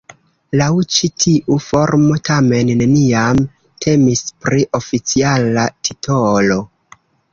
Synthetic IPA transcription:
lawt͡ʃitʰiʔufo̞ɾmo̞tʰame̞nːe̞niam | tʰe̞mispɾiʔo̞fit͡sialatʰitʰolo̞

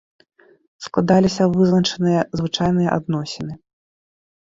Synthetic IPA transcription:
sklˠad̪alʲisʲɐvɨznɐt͡ʂɛnɨjɐzvɨt͡ʂajnɨjɐʔa̰d̪nɔsʲinɨ

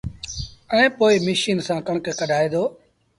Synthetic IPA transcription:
əɛ̃ːpoːiːmɪʃiːnsãːkəɳkekəɖʱaːeːd̪oː

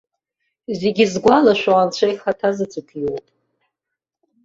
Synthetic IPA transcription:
zeɡʲizɡʷalaʃʷaant͡ɕʷʰajχatʰazɨt͡sʷʰʼɨkʰjowpʼ

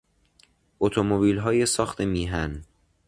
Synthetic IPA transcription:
ʔot̪ʰomobiːlɦɒːjesɒːxt̪ʰemiːɦæn

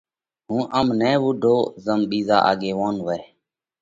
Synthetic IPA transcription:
ɦũːʔəmnɛ̃ːʋʊɖʱoːzəmɓiːza̰ːʔa̰ːɠeːʋoːnʋəɾ

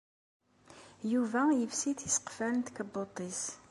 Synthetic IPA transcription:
juvæjəvsiθisə̥qfæɾnt̪kəbːot̪ˤːis

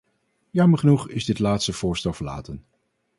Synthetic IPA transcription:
jɑməɹχənuχɪzdɪtlaːtstəv̥ʊːɹstɛlˠvəɹla̰ːtən

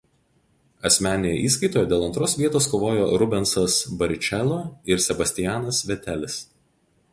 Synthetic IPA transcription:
ɐsʲmʲæːnʲejɛ̰ːʔiːskɐɪt̪oːjɛd̪ʲeːlˠɐnt̪ɾoːsʋʲiɛt̪oːskoːʋoːjoːɾʊbʲɛnsɐsbɐɾʲt͡ʃʲɛlˠoːɪɾsʲɛbɐsʲt̪ʲɪjæːnɐsʋʲɛt̪ʲæːlʲɪs

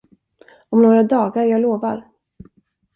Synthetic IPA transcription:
ɔmnoːɾad̪ɑːɡaɾjɑːɡloːvaɾ

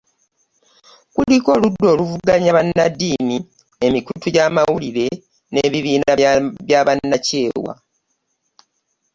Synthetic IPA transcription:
kuliko̞ːludːo̞ːluvuɡaɲaβanːadːiːni | emikutuɟaːmawuliɾe̞ | ne̞ːβiβiːnaβjaβanːace̞ːwa̰

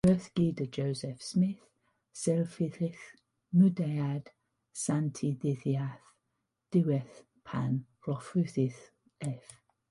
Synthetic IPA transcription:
ɜːˑθɡ̥iːdəd͡ʒoʊzɛfsmɪθ | sɛlfɪθɪx | nudead̥ | santʰidɪθiaθ | d̥uɛθ | pʰan | ɹɔfʉθɪθ | ɛf

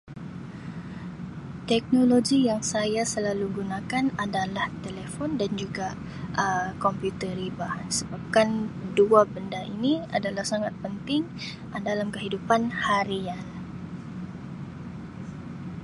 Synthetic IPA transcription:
t̪ɛk̚noloɡijaŋsajasəlaluɡunakanadalaht̪elefɔndand͡ʒuɡa | ʔəkɔmpjut̪əɾibasəbap̚kanduabəndaʔinia̰dalahsaŋat̪̚pənt̪ɪŋ | dalamkəɦidupanhaɾian

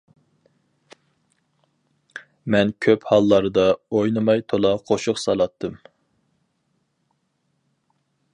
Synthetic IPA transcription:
mɛnkʲʰøphɑlˠːɑɾd̪ɑojnɨmɑjt̪ʰolˠɑqʰoʃʊqsɑlˠɑt̪ʰːɨm

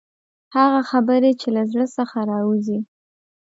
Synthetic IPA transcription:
haɣaxabəɾet͡ʃelazɽəsəxaɾɑuzi

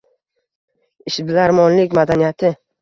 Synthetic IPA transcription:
ɪʃbɪlaɾmɒnlɪkʲmad̪anijat̪ʰɪ

